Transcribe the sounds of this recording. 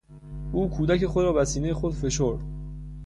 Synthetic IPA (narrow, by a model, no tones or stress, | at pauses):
ʔuːkʰuːd̪æce̞xod̪ɾɒːbæsiːnejexod̪fe̞ʃoɾd̪̥